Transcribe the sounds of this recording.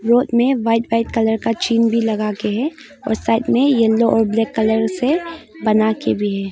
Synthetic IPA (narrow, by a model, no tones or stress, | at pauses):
ɾoːt̪mẽʋaɪʈʋaɪʈ̚kɐləɾkat͡ʃiːnbʱilɐɡakeɦɛ | ɔ̰ːɾsaːɪʈmẽjɐlːoʔɔːɾblɛːkːələɾsebɐnakebʱiɦɛː